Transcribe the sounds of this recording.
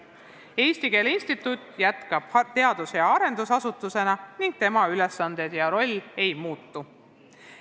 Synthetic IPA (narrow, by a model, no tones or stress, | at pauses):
e̞ːst̪ike̞ːlinst̪it̪ːˑut̪ːˑjæt̪kɑb̥t̪e̞ɑd̪̥usjɑɑɾe̞nd̪̥usɑsut̪ːuse̞nɑniŋɡ̥̚t̪e̞mɑyle̞sːɑnd̪̥e̞d̪̥jɑɾo̞lʲːe̞jmuːt̪ːu